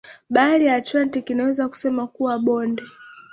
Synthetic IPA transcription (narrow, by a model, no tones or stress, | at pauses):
ɓaliatantikinawɛzaku̥sɛmakuwaɓɔndɛ